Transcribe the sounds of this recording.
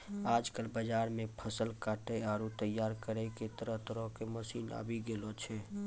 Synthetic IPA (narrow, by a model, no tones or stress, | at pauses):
aːd͡ʒkəlbəd͡ʒaːɾmẽpʰəsəlkaːʈeaɾut̪əjːaːɾkəɾɛket̪əɾəɦt̪əɾɔ̃ɦkeməsiːna̰bʱiɡelot͡ʃʰɛ